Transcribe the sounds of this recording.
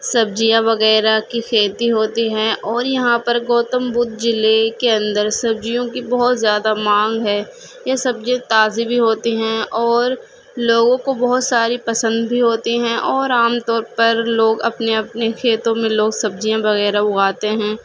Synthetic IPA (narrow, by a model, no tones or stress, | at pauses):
sɐb̚d͡ʒijãʋɐɣɛːɾakixʰeːt̪iɦoːt̪iɦɛ̃ʔɔːɾjɐɦãpɐɾɡoːt̪əmbʊd̪d͡ʒɪlekeɐ̃nd̪əɾsɐb̚d͡ʒijõkibɔɦʊt̪zjaːd̪amãːŋɡɦɛː | jesɐbd͡ʒẽt̪aːzibʱiɦoːt̪iɦɛ̃ɔːɾ | loːɡõkobɐɦʊt̪saːɾipɐsə̃nd̪bʱiɦoːt̪iɦɛ̃ʔɔːɾaːmt̪ɔːɾpɐɾloːɡɐ̰pneɐpnexʰeːt̪õmẽloːɡsɐb̚d͡ʒijãbɐɣɛːɾaʊɣaːt̪eɦɛ̃ː